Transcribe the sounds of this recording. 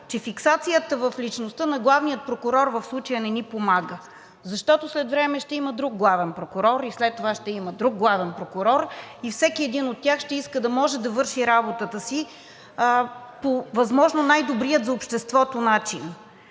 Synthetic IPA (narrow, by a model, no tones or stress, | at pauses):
t͡ʃɛfiksat̪sijət̪əvəflit͡ʃnost̪ɤnɐɡlˠavnijət̪̚pɾokʊɾɔɾvəfslˠut͡ʃəjənɛnipomaɡə | zɐʃt̪ɔt̪oslɛt̪vɾɛmɛʃt̪ɛiməd̪ɾuɡ̚ɡlˠavɛnpɾokʊɾɔɾislɛt̪ːovaʃt̪ɛiməd̪ɾuɡ̚ɡlˠavɛnpɾokʊɾɔɾifsɛkiɛd̪inot̪ːʲjaxʃt̪ɛiskəd̪ɐmɔʒɛd̪ɐvɤɾʃiɾabot̪ət̪əsi | povɐzmɔʒnonajd̪obɾiət̪zɐopʃt̪ɛst̪vɔt̪onat͡ʃin